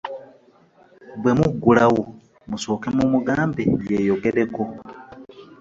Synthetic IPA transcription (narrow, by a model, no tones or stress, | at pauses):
bwe̞muɡulawo | muso̞ːkemumuɡaːmbejejoɡe̞ɾeko